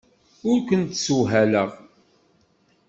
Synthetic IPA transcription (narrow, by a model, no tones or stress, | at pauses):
ʊɾkʷənt̪suɦæləʁ